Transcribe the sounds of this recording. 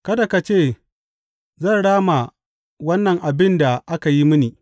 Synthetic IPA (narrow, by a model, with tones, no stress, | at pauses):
kɐ˦da˨ka˨t͡ʃeː˦˨ | zɐ˦˨nɽaː˦ma˨ | wɐ˦nːɐ˨ŋʔa˨bɪ˦nda˨ʔa˦ka˨ji˦mʊ˦niː˨